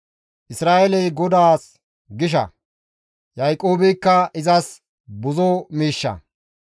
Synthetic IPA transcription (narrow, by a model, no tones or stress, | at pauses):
ʔɪsɾaːʔɛlɛjɡɔd̪aːs | ɡɪʃ̬ɐ̰ | jɐjkʼːo̞ːbɪjkːɐɪzɐs | bʊzɔmiːʃːɐ̰